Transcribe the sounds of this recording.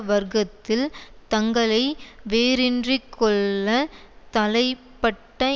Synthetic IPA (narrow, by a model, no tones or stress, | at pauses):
ʋɐɾɣɐt̪ːɪlt̪ɐŋɡɐɭɐɪʋeːɾɪndrikʰːɔɭːɐ | t̪ɐlɐɪpːɐʈːɐ